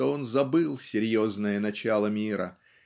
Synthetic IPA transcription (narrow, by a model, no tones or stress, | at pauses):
oo̞nzɐbɨlˠsʲɪɾʲjo̞znəjənɐt͡ɕalˠəmʲiɾə̰